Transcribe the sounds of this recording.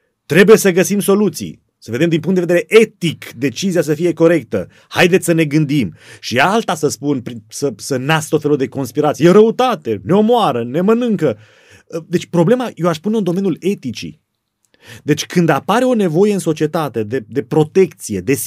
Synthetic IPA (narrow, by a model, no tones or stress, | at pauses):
t̪ɾe̞buje̞səɡəsimso̞lut̪sḭ | səve̞d̪emd̪impuŋt̪d̪eed̪eɾeʔe̞t̪ikd̪e̞t͡ʃizias̬əfije̞ko̞ɾe̞k̚t̪ə̰ | hajd̪et̪ssəne̞ɡɨnd̪imʃialt̪asəspunpɾisəsənast̪ot̪felud̪e̞ko̞nspiɾat̪sijeɾəut̪at̪e̞ne̞o̞moaɾəne̞mənɨŋkə | d̪e̞t͡ʃʲpɾo̞blemaje̞waʃspuneɨnd̪o̞me̞njule̞t̪it͡ʃḭ | d̪e̞t͡ʃʲkʰɨnd̪apaɾeo̞ne̞vo̞je̞ɨnso̞t͡ʃie̞t̪at̪e̞d̪e̞d̪e̞pɾo̞t̪e̞kt̪sije̞d̪e̞